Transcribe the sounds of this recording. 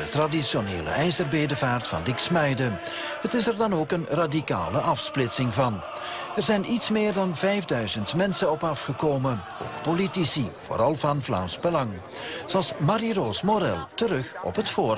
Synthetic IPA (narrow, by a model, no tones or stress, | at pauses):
ətradisjonḛːlə̰ʔɛjzərbeːdəvaːrtfɑ̰ndɪksmɛjdə | hətɪsɛrdɑnoːkənradika̰ːləʔɑfsplɪtsɪŋvɑn | ɛrzɛjnʔitsmɪːrdɑnvɛjvdœɥzəntmɛnsənɔpɑfχəkoːmə | o̰ːkpolitisiv̥o̰ːɾɑlˠvɑnflɑ̰ːnsbəlɑŋ | z̥oɑlˠsmaɾirosmoɾɛ̰lˠtəɾɵχɔ̰pɦətfoːr